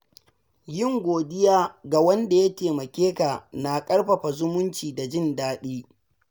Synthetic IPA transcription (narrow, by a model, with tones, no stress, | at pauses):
jɪ˦˨ŋɡʷoː˨dɪ˦jaː˦ɡa˨wɐ˦nda˨ja˦teː˨mɐ˨kʲeː˦ka˨na˨kʼɐ˦ɽɸɐ˨ɸa˨zʊ˦mʊ˦nt͡ʃiː˨da˨d͡ʒɪ˦ndaː˦ɗiː˦